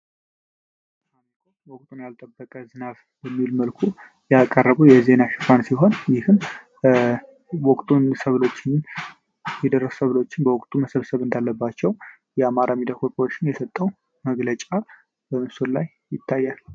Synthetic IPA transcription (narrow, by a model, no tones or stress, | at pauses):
amikʰowɔkʼt̪ʼunjalt̪ʼəbːəkʼəzɨnaβ | bəmːilməlkʰu | jakʼərːəβujɛze̞naʃɪ̥kʰʼansiɦo̞njɪhɨm | wɔkʼt̪ʼunsəβlo̞t͡ʃːɪn | jɛd̪ərːəssəβlo̞t͡ʃːɪnbəwɔkʼt̪ʼuməsəβsəβɨnd̪alːəbːat͡ʃːɛw | jɛamaɾamid̪akʰopʼot͡ʃːɪnjɛsət̪ʼːəw | məɡlət͡ʃʼa | bəmɨsulaj | jɪt̪ʰːajːal